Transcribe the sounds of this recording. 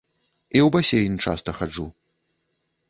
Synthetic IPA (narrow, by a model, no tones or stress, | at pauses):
iwbasʲejnʲit͡ʂa̰st̪ɐxad͡ʐu